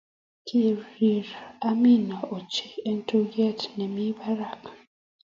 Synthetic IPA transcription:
kʰe˨ɾi˨ɾa˦mi˦nɔ˨o˨t͡ʃe˨e˦n˦to˦ɡɛ˦˨tnɛ˨mi˦ba˦ɾa˦˨k

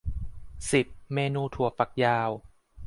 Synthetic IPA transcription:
si˨˩p̚meː˧nuː˧t̪ʰu˨˩ɐfa˨˩k̚jaː˧w

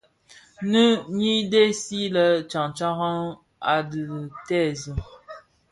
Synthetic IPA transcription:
nə˦ɲi˦de˦si˦lə˦t͡ʃa˨ŋt͡ʃa˦ɣa˦ | a˨dɨ˨tɛ˦˨zə˨

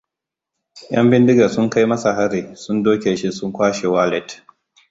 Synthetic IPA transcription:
j̰ɐ̰˦mbɪ˦ndɪ˦ɡa˨sʊ˦ŋka˦jmɐ˦sa˨ɦa˦ɾiː˨sʊ˦ndoː˦kʲeː˨ʃi˦sʊ˦ŋkʷaː˦ʃe˨waː˦lɛ˦˨t

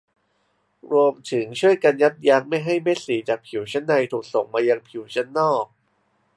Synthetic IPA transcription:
ɾu˧əmt̪ʰɯ˩˦ŋt͡ɕʰu˥˩əjka˧nja˦˥t̪̚ja˦˧˥ŋ̚ma˥˩jɦa˥˩jme˦˥t̪̚siː˩˦t͡ɕaː˨˩k̚pʰi˨˩˦wt͡ɕʰa˦˥nːa˧jt̪ʰuː˨˩k̚so˨˩ŋmaː˧jaː˧ŋpʰi˩˦wt͡ɕʰa˦˥nːɔː˥˩k̚

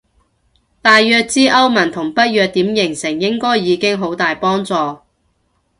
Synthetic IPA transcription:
t̪aː˨jːœː˧k̚t͡siː˥ʔɐ˥wmɐ˨˩nt̪ʰʊ˨˩ŋpɐ˥t̚jœː˧k̚t̪iː˨˥mjɪ˨˩ŋsɪ˨˩ŋjɪ˥ŋkɔː˥jːiː˨˧kɪ˥ŋɦo˨˥wt̪aː˨jpɔː˥ŋt͡sɔː˨

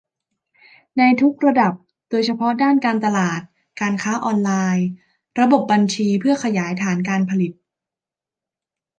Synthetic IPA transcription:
na˧jt̪ʰu˦˥k̚ɾa˧da˨˩p̚ | doː˧jt͡ɕʰa˧pʰɔ˦˥daː˥˩nkaː˧nt̪a˧laː˨˩t̪̚ | kaː˧nkʰaː˦˥ʔɔː˧nlaː˧j | ɾa˧bo˨˩p̚ba˧nt͡ɕʰiː˧pʰɯ˥˩ɐkʰa˧jaː˩˦jt̪ʰaː˩˦nkaː˧npʰa˧li˨˩t̪̚

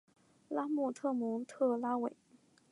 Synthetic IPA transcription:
la˥mu˥˧˩t̪ʰɤ˥˩mʊ˧˥ŋt̪ʰɤ˥˩la˥we˨˩˦ɪ

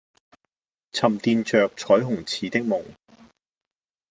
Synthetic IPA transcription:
t͡sʰɐ˨˩mt̪iː˨˧nt͡ʃœː˨˧k̚t͡sʰɔː˨˥jɦʊ˨˩ŋt͡sʰiː˨˥t̪ɪ˥k̚mʊ˨˩ŋ

